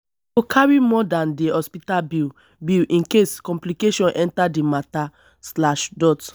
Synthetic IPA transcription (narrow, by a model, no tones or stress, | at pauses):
okʰaɹimɔdãndihɔspitab | bilʔĩnkeskɔ̃mplikeʃɔ̃nʔɛ̃ntadimata | slaʃdɔt